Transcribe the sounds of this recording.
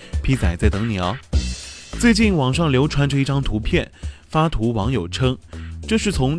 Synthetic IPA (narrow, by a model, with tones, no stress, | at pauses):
pʰi˥t͡sa˨˩ɪt͡sa˥˩ɪt̪ɤ˧˥ŋnjɑ˧˥ʊ | t͡swe˥˧ɪt͡ɕi˥˩nwɑ˨˩ŋʂɑ˥˩ŋljo˧˥ʊʈ͡ʂʰwa˧˥nʈ͡ʂɤ˥˧i˥˩ʈ͡ʂɑ˥ŋt̪ʰu˧˥pʰjɛ˥˩nfa˥t̪ʰu˧˥wɑ˧˥ŋjo˨˩ʊʈ͡ʂʰɤ˥ŋʈ͡ʂɤ˥˧ʂɻ̩˥˩t͡sʰʊ˧˥ŋ